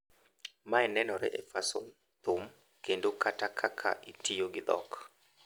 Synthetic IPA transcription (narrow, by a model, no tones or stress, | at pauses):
maɛnɛnɔɾɛ̰ʔɛfaso̰m | t̪ʊm | kendokatakʰakʰa̰ʔitijoɡɪd̪ɔ̰k